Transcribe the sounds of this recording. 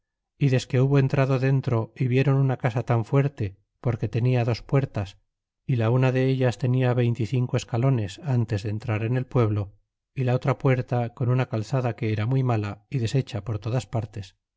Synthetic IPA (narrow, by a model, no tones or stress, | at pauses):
iðe̞ske̞uβo̞e̞nt̪ɾaðo̞ðe̞nt̪ɾo̞iβje̞ɾo̞nunakasat̪aɱfwe̞ɾt̪e̞ | po̞ɾke̞t̪e̞niaðo̞spwe̞ɾt̪as | ilaunaðe̞eʎast̪e̞niaβe̞jnt̪iθiŋko̞e̞skalo̞ne̞sant̪e̞zðent̪ɾaɾe̞ne̞lpwe̞βlo̞ | ilao̞t̪ɾapwe̞ɾt̪ako̞nunakalθaðake̞eɾamujmalaiðe̞se̞t͡ʃapo̞ɾt̪o̞ðaspaɾt̪e̞s